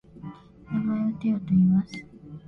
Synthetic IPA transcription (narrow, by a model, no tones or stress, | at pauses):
namaot̪ejot̪oimasɨ̥